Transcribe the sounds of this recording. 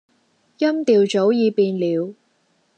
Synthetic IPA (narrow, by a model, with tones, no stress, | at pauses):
jɐ˥mt̪iː˨˧wt͡so˨˥wjiː˨˧piː˨˧nliː˨˧w